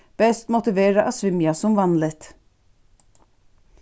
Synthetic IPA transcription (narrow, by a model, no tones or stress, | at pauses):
b̥ɛst̪mʊt̪ɪʋeːɾəʔɑsʋʏmjɑsɔmʋɑnlət̪